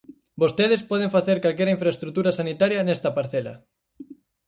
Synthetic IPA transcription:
bost̪eð̞espɔð̞eŋfaθeɾkalkeɾɐiɱfɾaest̪ɾut̪uɾɐsanit̪aɾjɐnest̪ɐpaɾθelɐ̰

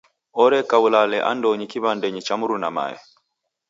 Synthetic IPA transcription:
ɔɾɛkawulalɛʔa̰ndɔɲikiβandɛɲit͡ʃamuɾunama̰ɛ̰

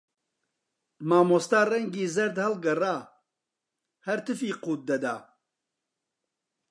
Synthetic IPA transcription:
maːmoːst̪aːrɛŋɡiːzɐɾd̪hɐlɡɐraː | hɐɾt̪ɨfiːquːt̪̚d̪ɐd̪aː

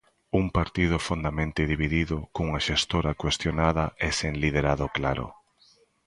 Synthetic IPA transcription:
uŋpaɾt̪ið̞ʊfond̪amẽnt̪ɪðiβiðiðʊkoŋaʃest̪oɾakwest̪jonaðɐʔɛsenliðeɾaðʊklaɾʊ̰

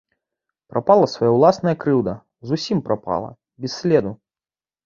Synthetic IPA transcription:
pɾʔapalˠɐsvajawlˠasnɐjɐkɾɨwd̪ɐ | zusʲimpɾapa̰lˠɐ̰ | bʲɛsʲːlʲɛd̪u

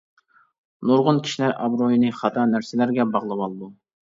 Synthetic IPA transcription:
noɾʁʊnkʲʰi̥ʃilæɾʔɑbɾojinɨχɑt̪ʰɑnæɾsɪlæɾɡʲɛbɑʁlˠɨwɑlˠɨd̪u

